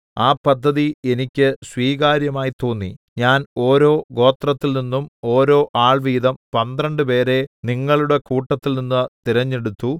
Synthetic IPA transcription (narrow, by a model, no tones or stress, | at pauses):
aːpɐd̪ʱːɐðie̞nikʲːɨswiːɣaːɾjɐmaːjit̪o̞ːnːḭɲaːno̞ːɾo̞ːɡo̞ːt̪rɐt̪ːilninːumo̞ːɾo̞ːʔaːɭʋiːðɐmpɐnd̪rɐɳɖɨpe̞ːɾe̞niŋːɐɭuɽe̞kuːʈːɐt̪ːilninːɨt̪iɾɐɲːe̞ɽut̪ːu